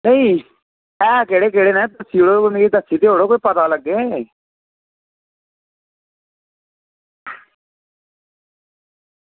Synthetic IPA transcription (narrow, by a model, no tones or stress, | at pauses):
neĩː | ɛːkeɽeːk̬eːɽeːnɛ̃ːt̪əsiːoɽoʊnɡiːt̪əsiːt̪eːɦoːɽoːkoːiːpət̪aːləɡːẽː